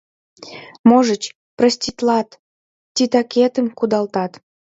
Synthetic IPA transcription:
moʒət͡ɕ | prəsʲt̪ʲit̪lɑt̪ | tʲit̪ɑkʲet̪əmkud̪ɑlt̪ɑt̪

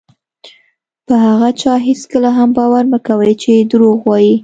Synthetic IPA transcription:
pəɦaɣat͡ʃɑɦiskəlaɦambɑwaɾnəkawəjt͡ʃed̪ɾoɣwɑji

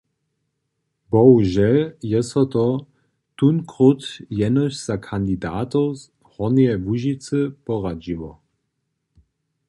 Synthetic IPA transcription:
bɔwʒɛjɛsɔt̪ɔ | t̪unkʁut̪jɛnɔɕz̥akʰand̪id̪aːt̪ɔz | hɔniɛvuʒit͡sɨpɔʁad͡ʑivɔ

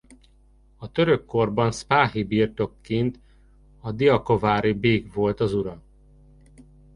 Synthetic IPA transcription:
ɒt̪ø̞ɾø̞kːo̞rbɒnspaːɦibiːrt̪o̞kːint̪ | ɒd̪iɒko̞vaːɾibeːɡvo̞lt̪ɒzuɾɒ

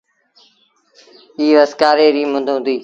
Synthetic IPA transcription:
iːʋəskaːɾeːɾiːmə̃nd̪ʱʊ̃nd̪iː

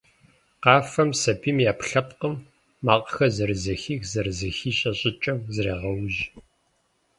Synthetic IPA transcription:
qɑːfɐmsɐbʰiːmjaːpɬɐp̚qəmː | aːqʼəxɐzɐɾɨzɐxiːxzɐrɨzɐxiːɕʼɐɕʼɪt͡ʃʼɐmzɨɾeːʁɐwʒ

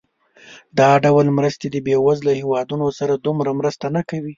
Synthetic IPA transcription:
d̪ɑɖawalmɾəst̪ed̪əbewazlahewɑd̪unosaɾad̪umɾamɾəst̪anakawi

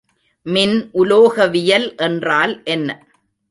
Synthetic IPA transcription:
mɪnʔʊloːɣɐʋɪjɐlʔɛndraːlʔɛnːɐ

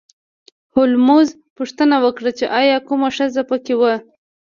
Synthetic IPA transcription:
hʊlmuz | puʂt̪ənawəkɽat͡ʃeʔɑjɑkumaʂəzapəkewə

